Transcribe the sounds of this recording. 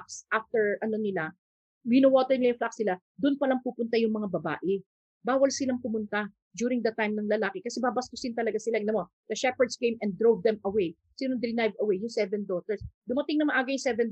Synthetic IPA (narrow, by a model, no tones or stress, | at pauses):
ksʔaft̪ɛɹʔɐno̞nɪla | ɪnɐwot̪ɛɹnɪlajʊŋflaksnɪla | d̪ʊnpɐlɐŋpupʊnt̪ajʊŋmɐŋabɐba̰ːʔɪ | baːwɐlsɪlaŋpʊmʊnt̪a | d͡ʒ̪juːɾɪŋd̪ɐt̪ajmnɐŋlɐlaːkɪkɐsɛbabɐst̪ʊsɪnt̪ɐlɐɡasɪlaʔɪnɐmo | d̪̥ɐʃɛpɛɹd̪skejmʔɛ̃nd̪ɹowvd̪ɛmɐwej | sinɐŋd̪ɾɪnajvɐwejʊŋsɛvɛnd̪oːt̪ɛɹsd̪ʊmɐt̪ɪŋnɐmaɐnʔaɡɐjʊŋsɛvɛn